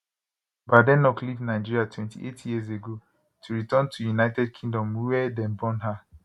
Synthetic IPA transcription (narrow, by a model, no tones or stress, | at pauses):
badɛ̃nɔklivnaɪd͡ʒiɹiatʰwɛ̃ntʰḭʔetʰjiəzeɡo | tʰuɹitɜ̃ntʰujunaɪtɛd̚kʰĩŋdɔ̃mwuwɛdɛ̃nbɔ̃nɦa